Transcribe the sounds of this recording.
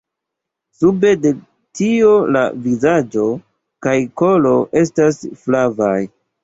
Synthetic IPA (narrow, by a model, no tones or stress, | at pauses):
sube̞de̞ | tio̞la̰vizad͡ʒo̞ | kajko̞lo̞ʔe̞stasflavaj